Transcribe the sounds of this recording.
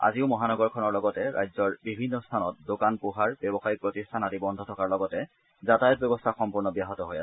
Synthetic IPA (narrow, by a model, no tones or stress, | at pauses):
a̰ziʊmɔɦanɔɡɔɹkʰɔnɔɹlɔɡɔtɛɹa̰jzɔɹbibʱinːɔstʰanɔ̰t̚dokanpuɦaɹbɛbɔxajik̚pɹotistʰanatibɔndʱɔtʰɔkaɹlɔɡɔtɛ | zatajɔt̚bɛbɔstʰaxɔmpuɹnɔbijaɦɔtɔɦojasɛ